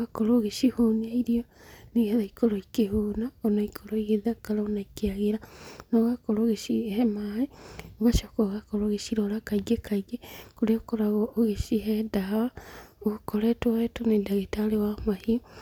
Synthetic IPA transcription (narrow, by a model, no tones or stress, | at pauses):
ɣakoɾoɣeʃihonaiɾioneɣeðaikoɾoikeɦonaonaikʰoɾoiɣeðakaɾaonaikeaɣeɾanɔɣakoɾoɣeʃihɛmaeoβaʃakoɣakoɾoɣeʃiɾoɾakaiɡekʰaiɡekoɾeokoɾaɣɔːɣeʃiɦɛdawaokoɾɛtwaɛtonedaɣetalewamahio